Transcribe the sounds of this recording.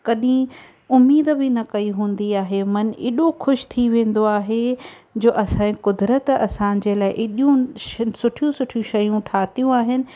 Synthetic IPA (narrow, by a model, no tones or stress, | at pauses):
kɐɗĩ | ʊmːiːd̪bɪnɐkɐiɦũːn̆d̪iaːɦemɐn̆ɪɗoxʰʊʃt̪ʰiʋẽːn̆d̪oaːɦe | d͡ʑoːʔɐsãːẽkʊd̪ɾət̪ɐ̰sãːd͡ʑeːlaːɪʔɪɗjũsʊʈʰijũsʊʈʰijũʃɐjũʈʰaːt̪ijũaːɦɪnɪ̆